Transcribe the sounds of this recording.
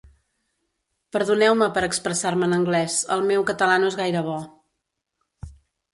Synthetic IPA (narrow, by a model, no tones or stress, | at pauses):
pəɾðunɛwməpəɾəkspɾəsaɾməːnəŋɡlɛzə̰lˠmewkət̪əlanoezɣajɾəβ̞ɔ